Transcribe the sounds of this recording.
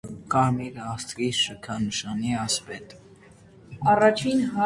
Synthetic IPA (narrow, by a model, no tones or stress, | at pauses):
kɑɾmiɾəɑst̪ɾiʃəkʰɑnəʃɑniɑspɛt̪ | ɑrɑt͡ʃʰinɦɑ